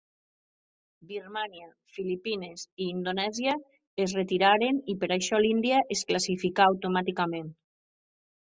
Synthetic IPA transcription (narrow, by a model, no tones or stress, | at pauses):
biɾmania | filipinesiːnd̪onɛzja | ezret̪iɾaɾenipeɾajʃɔlind̪iaʔesklasifikaːwt̪omat̪ikamẽn